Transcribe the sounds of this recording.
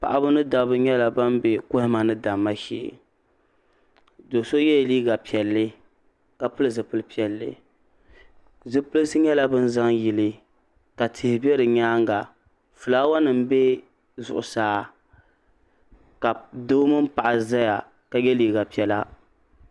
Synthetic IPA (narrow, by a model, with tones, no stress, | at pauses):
pa̰˨ʔa˨bɨ˦nɨ˦da˨bɨ˦ɲɛ˦la˨ba˦mbe˨kʊ˦hɪ˦ma˨nɨ˦da˨mːa˦ʃḭ˦˨˦ | do˨so˦jɛ˦˨liː˦ɡa˨pi˨ɛ˨lːɨ˦ | ka˨pɨ˦lɨ˦zɨ˨pɨ˦lɨ˦pi˦ɛ˨lːɨ̰˨ | zɨ˦pɨ˦lɨ˦sɨ˦ɲɛ˦la˦bɨ˦n˦za˦ŋji˨lɨ˦ | ka˨tʰɨ˨hɪ˨bi˦ɛ˦ɾɨ˨ɲaː˦ŋɡa˨ | fɨ˨laː˦wa˦nɨ˨m˦bɛ˦ | zʊ̰˨ʔʊ̰˨saː˨˦ | ka˨do˦mɨ˦m˦pa˨ʔa˨za˦ja˨ | ka˨jɛ˦liː˦ɡa˨pi˦ɛ˦la˦